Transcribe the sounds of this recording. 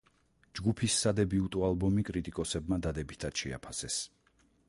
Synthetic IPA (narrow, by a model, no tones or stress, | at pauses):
d͡ʒɡupʰisːad̪ɛbiut̪ʼɔalˠbɔmikʼɾit̪ʼikʼɔsɛbmad̪ad̪ɛbit̪ʰad̪̥ʃɛ̰a̰pʰasɛs